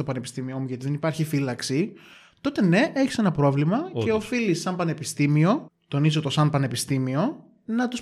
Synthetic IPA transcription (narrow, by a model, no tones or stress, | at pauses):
t̪opɐnepist̪imio̞muʝɐt̪iðenipɐɾçifilɐksi | t̪o̞t̪e̞ne̞ʔe̞çi̥se̞nɐpɾo̞vlimɐeofilisɐmpɐnepist̪imio̞t̪o̞nizot̪o̞sɐmpɐnepist̪imio̞ | nɐt̪us